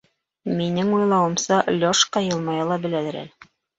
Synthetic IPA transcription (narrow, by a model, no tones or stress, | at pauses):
minɘŋujlˠɑwɤ̆msɑlʲoʃqɑjɤ̆lˠmɑjɑlˠɑbɘ̆lælæɾæ̰lɘ